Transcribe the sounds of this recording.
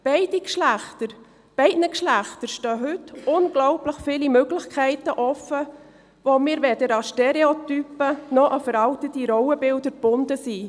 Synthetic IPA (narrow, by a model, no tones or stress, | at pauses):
b̥ɛɪdikʃlæχtəɾ | b̥ɛɪdnəkʃlæχt̪əɾʃtøːɦɵtʊnɡ̥lɔʊpləχfɪːlimøɡlɪχkʰɛɪtəʔɔfə | vomiːɾʋɛdəɾɑʃteɾeotypənɔʔɑfəɾɑltət̪iɾɔwəbɪldəɾb̥ʊndəsi